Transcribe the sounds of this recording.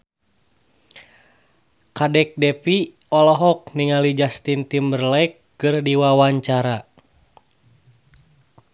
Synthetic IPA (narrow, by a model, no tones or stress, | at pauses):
kadɛk̚dɛpi | ɔlɔɦɔk̚niŋalid͡ʒast̪int̪imbərlajk̚ːɨrdiwawaɲt͡ʃaɾa